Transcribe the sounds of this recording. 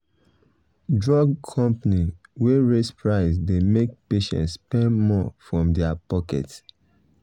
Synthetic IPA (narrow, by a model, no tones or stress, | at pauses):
dɹɔɡkʰɔ̃mpaniweɹespɹaɪsdemek̚peʃɛ̰̃ntspɛ̃nmɔfɹɔ̃mdɛapɔkɛ̰t